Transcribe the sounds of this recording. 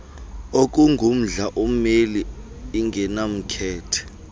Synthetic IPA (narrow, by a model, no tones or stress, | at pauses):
ok̬ʼuŋɡʱum̩ɮaʔom̩meliː | ŋɡʱɛnam̩kʰɛːtʰɛ̥